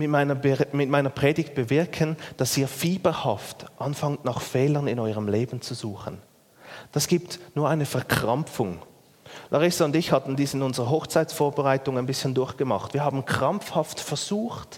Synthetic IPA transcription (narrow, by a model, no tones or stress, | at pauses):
mɪtmaɪnɐmɪt̚maɪnɐpʁ̥ɛːdɪçt̚b̥əvɪɐkʰənd̥ɑsiːɐfiːbəhɑftʔɑnfɑŋtnɑχfɛːlənɪnɔʏʁəmleːbn̩t͡suzuːχən | d̥ɑsɡ̥iːptnuːɐʔaɪnəfɛɐkʁ̥amp͡fʊŋ | lʔɑʁɪsaʊndɪçhɑtn̩diːsɪnʊnzəʁəɦɔχt͡saɪtt͡ssfoːɐbəʁaɪtʊŋaɪnbɪsçəndʊɐçɡ̥əmɑ̰χtv̥iːɐhaːbn̩kʁ̥amp͡fhɑftfɛɐz̥uːxt